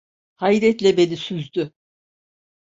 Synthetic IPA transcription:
hajɾɛt̪lʲɛbelʲisyzd̪y

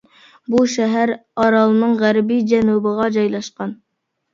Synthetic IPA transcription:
buʃɛɦæɾɑɾɑlˠɨnɨŋʁæɾbid͡ʒɛnubəʁɑd͡ʒɑjlˠɑʃqɑn

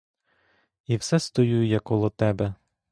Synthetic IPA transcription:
iwsɛst̪ɔjujʊjakːɔlˠɔt̪ɛbɛ

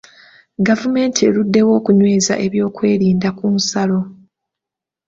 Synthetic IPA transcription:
ɡavume̞ːntʰie̞ludːe̞wo̞ːkuɲwe̞ːza̰ʔe̞βjo̞ːkwe̞ːɾiːndakunsalo̞

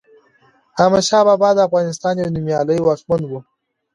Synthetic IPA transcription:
hamaʃɑːbɑbɑːd̪əafɣɑnɪst̪ɑnjanimjɑləjwɑkmand̪wu

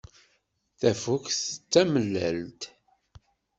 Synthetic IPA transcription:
θæfukθət͡sːæməlːælt̪

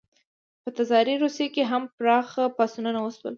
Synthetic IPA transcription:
pət̪azɑɾiɾusekeɦampɾɑxapɑsunanawəswə̰l

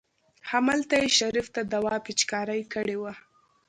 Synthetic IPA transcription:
hamalt̪ajeʃaɾift̪ad̪awɑpɪt͡ʃkɑɾajkəɽewa

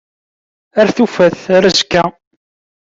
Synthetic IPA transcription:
æɾθufæθɾəzkːæ

